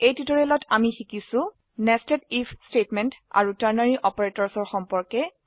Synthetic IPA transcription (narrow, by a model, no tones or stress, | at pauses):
ejtitɔɹelɔtamixikisʊ̃ | nɛstɛtipʰstetmɛnta̰ɹutaɹnaɹiʔɔpɔɹetɔɹsɔɹxɔmpɔɹkɛ